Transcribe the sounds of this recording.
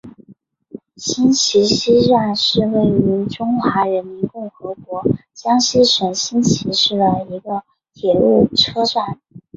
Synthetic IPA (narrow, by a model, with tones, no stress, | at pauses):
ɕi˥nt͡ɕʰi˧˥ɕi˥ʂa˥˧nʂɻ̩˥˧we˥˩ɪy˧˥ʈ͡ʂʊ˥ŋxwa˧˥ɻə˧˥nmi˧˥nkʊ˥˩ŋxɤ˧˥kwɔ˧˥t͡ɕjɑ˥ŋɕi˥˩ʂə˨˩nɕi˥nt͡ɕʰi˧˥ʂɻ̩˥˩lə˩i˧˥ɡə˧ | t̪ʰjɛ˨˩lu˥˩ʈ͡ʂʰɤ˥swa˥˩n